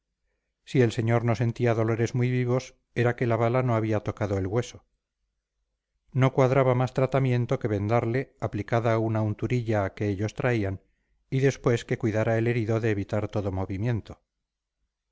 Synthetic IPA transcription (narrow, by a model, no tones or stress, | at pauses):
sie̞lse̞ɲo̞ɾno̞se̞nt̪iaðo̞lo̞ɾe̞zmujβiβo̞s | e̞ɾake̞laβalano̞aβiat̪o̞kaðo̞elɣwe̞so̞ | no̞kwaðɾaβamast̪ɾat̪amjẽ̞nt̪o̞ke̞βe̞nd̪aɾle̞aplikaðaːunaunt̪uɾiʎaːke̞eʎo̞st̪ɾaian | iðe̞spwe̞ske̞kwiðaɾaele̞ɾiðo̞ðe̞ːβit̪aɾt̪o̞ðo̞mo̞βimje̞nt̪o̞